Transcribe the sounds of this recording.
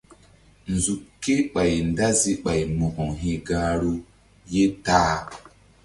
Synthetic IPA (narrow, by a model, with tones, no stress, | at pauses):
n˨zu˨kːe˦ɓa˨jnda˦zi˦ɓa˨jmo˨kɔ˨ŋɦi˨ɡa˦ɾo˦ | je˦taː˦